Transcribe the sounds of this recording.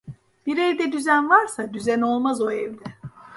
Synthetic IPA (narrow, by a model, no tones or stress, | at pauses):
b̥iɾevd̪ɛd̪yzænvaɾsad̪yzɛno̞lˠmazo̞ɛvd̪ɛ